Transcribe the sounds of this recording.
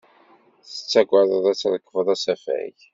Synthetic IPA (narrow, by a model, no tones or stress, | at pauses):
θə̥t͡sːæɡʷaðˤəðˤæt͡sːðəkːəfəðˤæsæfæ̰jʝ